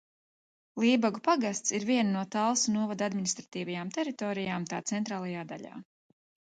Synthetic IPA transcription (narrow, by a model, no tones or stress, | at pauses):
lˠiːbaɡupaɡast̪siɾviɛnanuɔt̪alˠsunuɔvad̪ad̪minist̪ɾat̪iːvajaːmt̪ɛɾit̪ɔːɾijaːmt̪a̰ːt̪sɛnt̪ɾaːlˠajaːd̪aʎa̰ː